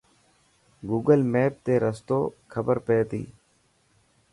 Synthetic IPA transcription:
ɡuːɡəlmeːp̚t̪eːɾəst̪oːkʰəbəɾpeːt̪ḭː

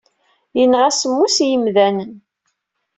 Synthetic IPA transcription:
jənʁæsəmːusjəmðænən

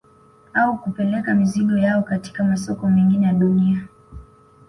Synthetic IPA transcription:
aukupɛlɛkamiziɠɔjaɔkati̥kamasɔkɔmɛŋɡinɛjaɗunia

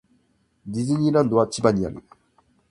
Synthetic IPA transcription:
d̪ʲizɨɲʲiːɾãnd̪oat͡ɕibaɲ̟ia̰ɾɯ̰

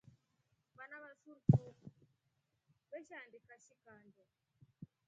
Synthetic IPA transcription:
βanaβasuɾtun | βɛʃandikaʃikandɛ

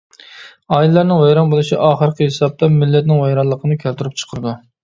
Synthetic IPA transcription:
ɑːjilɨlˠæɾnɪŋwɛjɾɑnbolˠuʃiʔɑːχəɾqʲəɦesɑb̚t̪ʰɑmɪlːɛt̪̚nɪŋwɛjɾɑnlːˠəqʰənɨkʲʰølt̪yɾyp̚t͡ʃʰə̥qʰəɾɨd̪u

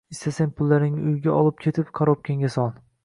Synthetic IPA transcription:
ɪst̪asaŋpʰʊlˠːaɾnɪŋʊjɡʲaɒlˠɪp̚kʰʲe̞t̪ʰɪpqʰaɾop̚kʲʰeŋʲasɒn

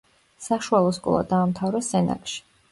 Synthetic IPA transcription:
saʃualˠɔskʼɔ̰lˠa̰d̪aːmt̪ʰavɾɛsɛna̰kʼʃi̥

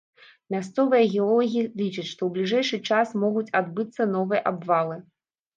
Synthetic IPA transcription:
mʲast̪sɔvɨjɐɣʲɛɔlˠɔɣʲilʲit͡ʂɨt͡sʲʂt̪ɔwblʲiʐɛjʂɨt͡ʂasmɔɣut͡sʲad̪bɨt̪sːɐnɔvɨjɐʔabvalˠɨ

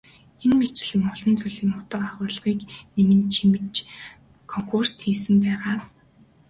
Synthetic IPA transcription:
enmet͡ɕɪ̆ɮɘ̆ŋɔɮɞ̆nt͡suɮĭːŋʊt̪ə̆qaχʊːɮ̆ʁiːknemɘ̆nt͡ɕʰimɘ̆t͡ɕ | kʰɔŋkʰurst̪ʰiːsɘ̆mpæːʁaː

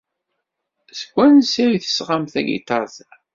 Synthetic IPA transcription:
sə̥kʷːænsiɾiθə̥sʁamθæ̰ɡḭt̪ɑɾˤz

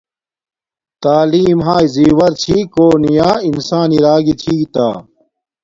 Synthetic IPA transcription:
t̪aːliːmɦaːiziːwɐɾt͡ɕʰikoːnijaːinsaːniɾaːɡit͡ɕʰiːt̪aː

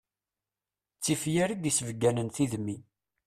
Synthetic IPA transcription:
t͡sːifjæɾid̪isəvɡænənθiðmi

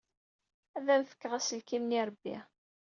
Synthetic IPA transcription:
æðænfə̥kːəʁæsəlkimniɾˤbːḭ

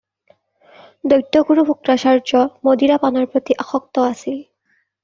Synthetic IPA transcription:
dojtːɔkuɹubʱukɹasaɹd͡ʒɔmodiɹapanɔɹpɹot̪iʔaxɔk̚tɔasil

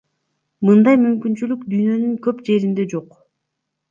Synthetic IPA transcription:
mɯnd̪ɑjmymkynt͡ʃylykd̪yjnø̞nyŋkø̞pd͡ʒe̞ɾind̪e̞d͡ʒo̞q

